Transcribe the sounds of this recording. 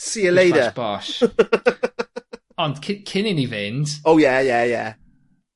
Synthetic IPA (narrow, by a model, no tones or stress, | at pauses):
siːəleɪdəb̥aʃ | ə̃nkʰɪkʰɪnɪ̃nivɛ̃ntoʊjæjæjæ̰